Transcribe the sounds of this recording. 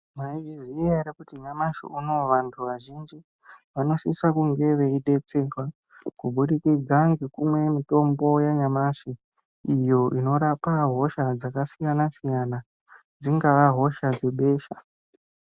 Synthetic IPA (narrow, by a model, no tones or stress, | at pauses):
maiviziaɾikutiɲamaʃḭuno̞ʋantʰuʋaʒind͡ʒi | ʋano̞sisakuŋɡe̞ʋe̞iɗe̞t͡se̞kwa | kuɓuɗikid͡zaŋɡekumwe̞mito̞mbo̞jaɲamaʃi | ijo̞ʔino̞ɾapaɦo̞ʃad͡zakasijanasijana | d͡ziŋɡaʋaɦo̞ʃad͡ze̞ɓe̞ːʃa